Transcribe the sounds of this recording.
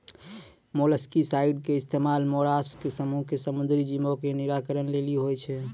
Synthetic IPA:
moləskisaiɖkeist̪emalmoɾaskesəmuɦkesəmund̪ɾid͡ʒimokeniɾakəɾənleliɦojt͡ʃʰɛ

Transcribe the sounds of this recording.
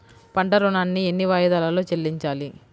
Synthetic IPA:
pɐɳʈɐɾunaːnːienːiʋaːjɐd̪ɐːlaːloːt͡ʃelːiɲt͡ʃaːli

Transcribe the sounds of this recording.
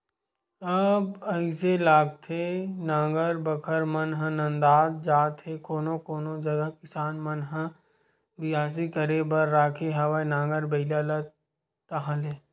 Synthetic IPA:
ɐbɐɪselaːɡ̚t̪ʰenãːŋɡəɾbəkʰəɾmənɦə̃nɐ̃nd̪aːd̪̚d͡ʒaːt̪ɦekoːnõkoːnod͡ʒɐɡəɦkɪsaːnmənɦə̃ | bɪjaːs̬ikəɾebɐɾːaːkʰeɦɐʋanãːŋɡəɾbɐɪlalət̪ | t̪əɦãleː

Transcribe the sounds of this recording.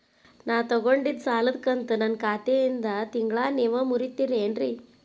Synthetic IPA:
naːwt̪ɔɡoɳɖid̪saːlɐd̪kɐnt̪unɐnkaːt̪ejind̪ɐt̪iŋɡɭaːneːʋɐmuɾit̪ːiɾeːnɾi

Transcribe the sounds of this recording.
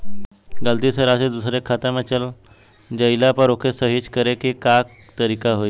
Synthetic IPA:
ɡəlt̪iːsəɾased̪usɾekʰːat̪əmat͡ɕəl | d͡ʑəjlapəɾokʰesəɦit͡skəɾekikak̚t̪əɾikaɦoj

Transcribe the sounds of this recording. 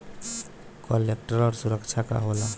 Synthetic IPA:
kɔlːek̚ʈəɾɔɾsuɾəkt͡ʃʰaka̰ɦola

